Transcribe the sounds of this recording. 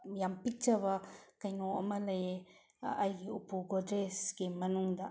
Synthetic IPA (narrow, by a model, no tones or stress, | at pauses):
jampik̚t͡ʃɐβɐkɐjnoɐ̰mɐlɐje | ɐjɡiupuɡodɾesɡ̥imɐnuŋdɐ